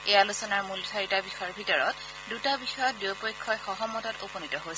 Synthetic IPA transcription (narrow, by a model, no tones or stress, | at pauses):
ejalusɔnaɹmultʰaɹitabixɔjɔɹbʱitɔɹɔt̚ | dutabixɔjɔt̚dewpojkʰːɔjxɔɦɔmːɔtɔtoponitɔɦojs